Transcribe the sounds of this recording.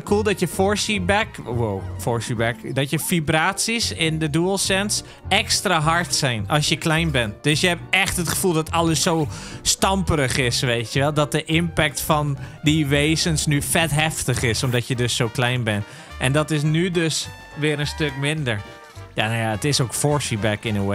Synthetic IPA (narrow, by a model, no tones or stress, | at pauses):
kʰulˠdɔtjəfoɹsibɛkwowfoɹsibɛkdɔtjəfibraːtsisɪndəduəlˠsɛns | ɛkstraɦɔɹtsɛjnɔlsjəklɛjnbɛnd̥øsjəɦɛp̚ɛxtətχə̥fulˠdɔtʰɔlˠəsowstɑmpərəxɪsʋejtʰjəʋɛlˠdɔt̚dəʔɪmpɛk̚tfɔndiʋeːzənsnyfɛtɦɛftəχɪsomdɔtjədøsːowklɛjnbɛn | ʔɛ̰ndɔtɪs̬nydøs | ʋɪəɾənstøkmɪndəɹ | janojaətɪsokfoɹsibɛkɪnəwe